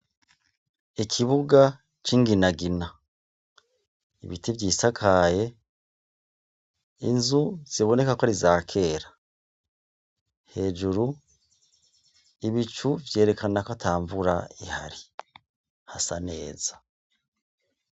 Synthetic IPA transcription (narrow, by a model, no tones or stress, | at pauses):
ikʰiβuɡa | t͡ʃiːŋɡinaɡina | ḭβitivjiːsakʰaːje̞ | inzuz̥iβo̞ne̞kakaɾizaːkʰe̞ːɾḁ | he̞ːd͡ʒuɾu | iβit͡ʃuvje̞ːɾe̞kanakatʰaːɱvuɾa̰iha̰ɾi | hasane̞̰ːz̥a